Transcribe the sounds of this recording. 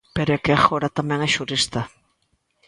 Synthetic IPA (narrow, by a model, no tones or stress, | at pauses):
peɾekexoɾat̪ameŋeʃuɾist̪a